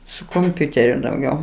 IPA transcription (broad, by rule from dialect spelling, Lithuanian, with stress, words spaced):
sʊ koːmʲˈpʲʊtʲɛrʲʊ dɐʊˈɡʲɛʊ